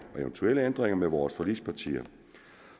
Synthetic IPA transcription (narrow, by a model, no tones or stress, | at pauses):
ɒ̽eʋənt͡sʰueləend̥ʁeŋɐmeʋɒːsfɒlḭ̥ːspʰɑ̈t͡sʰḭːɐ